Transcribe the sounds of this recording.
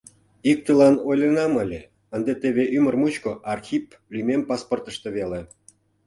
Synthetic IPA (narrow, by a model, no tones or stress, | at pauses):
ik̚t̪əlɑnojlʲenɑməlʲe | ənd̪et̪eβʲeʔymə̆rmut͡ɕkoʔɑrxʲip | lʲymʲempɑsport̪ə̆ʃt̪ĕβele